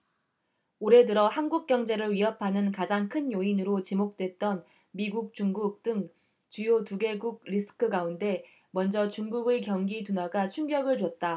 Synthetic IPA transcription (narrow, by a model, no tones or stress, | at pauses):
oɾe̞dɯɾʌhanɡuk̚k͈jʌŋd͡ʑe̞ɾɯɭɥiɦʌpʰanɯnkad͡ʑaŋkʰɯnjoinɯɾot͡ɕimok̚t͈we̞t̚t͈ʌn | miɡuk̚t͡ɕ͈uŋɡuk̚t͈ɯŋ | t͡ɕujotuɡe̞ɡuɡ̚ɾisʰɯ̥kʰɯɡaunde̞ | mʌnd͡ʑʌt͡ɕuŋɡuɡekjʌŋɡitunaɡat͡ɕʰuŋɡjʌɡɯɭd͡ʑʌt̚t͈a